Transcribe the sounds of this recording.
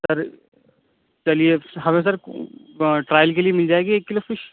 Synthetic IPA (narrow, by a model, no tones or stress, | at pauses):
sɐɾ | t͡ʃɐlieɦɐmẽs̬ɐɾ | ʈɾaːjəlkeliemɪld͡ʒaːeːɡieːkːɪlofɪʃ